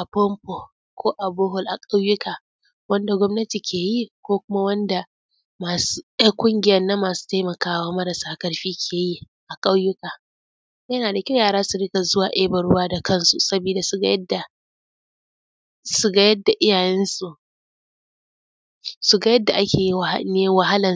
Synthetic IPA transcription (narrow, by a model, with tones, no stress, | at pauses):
ʔa˨pɔ˦mpo˨ | kʷʰoː˦ʔa˨boː˦ɦʊ˨lʔa˨kʼa˦wjʊ˦kaː˨ | wɐ˦nda˨ɡʷɔ˦mnɐ˦ti˨kʲʰeː˨ji˦kʷoː˦kʷʊ˦ma˦wɐ˦nda˨ | ma˨su˦jɐ˦ŋkʷʼʊ˦ŋɡʲɪ˦jɐ˦nːɐ˦mːaː˨su̥ː˦ta˦jmɐ˨kaː˦waː˦mɐ˦ɾɐ˨saː˦kɐ˦ɽɸiː˦kʲʰeː˨ji˦ | ʔa˨kʼa˦wjʊ˦kaː˨ | jɐ˦naː˨da˨kʲa˦wjaː˨ɾaː˦su˨ɽɪ˦ka˨zʊ˦waː˨ʔe˦bɐ˨ɽʊ˦waː˦da˨kɐ˦nsu˨sɐ˦biː˨da˨su˦ɡda˨ | su˦ɡɐ˦jɐ˦dːa˨ʔɪ˦jaː˨jɛ˦nsu˨ | su˨ɡɐ˦jɐ˦dːa˨ʔa˦kʲʰeː˨ji˦wnɪ˦jɛ˦wɐ˦ɦa˦lɐ˨n˨